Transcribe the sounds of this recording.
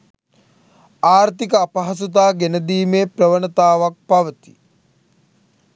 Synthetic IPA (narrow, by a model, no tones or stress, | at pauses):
aːɾt̪ikəapɐɦɐs̬ut̪̬aːɡenəd̪iːmeprəʋənət̪aːʋak̚paʋət̪i̥